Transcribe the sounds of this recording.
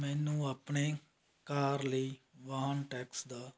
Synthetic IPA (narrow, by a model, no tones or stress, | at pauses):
mɛ̃ːnũːaːpɳeː | kaːɾləiːʋaːɦnʈɛːksd̪aː